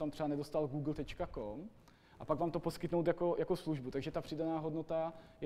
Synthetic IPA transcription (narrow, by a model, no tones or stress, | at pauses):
t̪amt̪r̝̥ɛanɛdost̪alɡuːɡl̩t̪ɛt͡ʃkakom | ʔapaɡvaːmt̪oposkɪt̪nowt̪jako̞jakosluʒbut̪aɡʒɛt̪apr̥ɪdanaːɦodnot̪ajɛ